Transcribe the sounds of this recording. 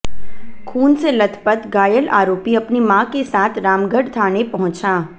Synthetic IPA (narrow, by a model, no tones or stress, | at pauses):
kʰuːnselɐt̪ʰpət̪ɡaːjəlʔaːɾoːpiɐpnimãːkesaːt̪ʰɾaːmɡəɖt̪ʰaːnepɐɦʊ̃t͡ʃaː